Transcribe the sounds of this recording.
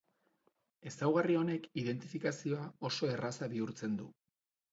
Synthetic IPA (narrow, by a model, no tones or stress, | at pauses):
e̞sawɣ̞ario̞ne̞kiðe̞nt̪ifikasio̞ao̞so̞e̞rasaβiuɾt͡se̞nd̪ṵ